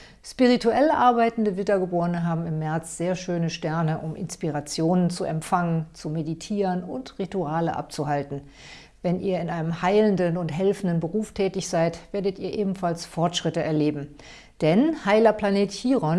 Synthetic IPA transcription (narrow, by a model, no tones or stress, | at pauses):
spiʁ̞itʰuʔɛləʔaɐbaɪtn̩dəvɪdɐɡəboːʁənəɦaːbm̩ɪmːɛɐt͡sz̥eːɐʃøːnəʃtɛɐnəʔʊmʔɪ̰nspiʁat͡sjoːnənt͡suʔɛmfaŋənt͡sumeditʰiːʁənʊntʁituaːləʔa̰p̚t͡suhaltn̩ | vɛnʔḭːɐɪnʔaɪnəmhaɪləndənʊntɦɛlfn̩dənbəʁuːftʰɛːtɪçz̥aɪtv̥eːɐdətiːɐʔeːbm̩falsfɔɐtʃʁ̥ɪtəɛɐleːbm̩ | d̥ɛnhaɪlɐpʰl̥aneːthiːʁɔn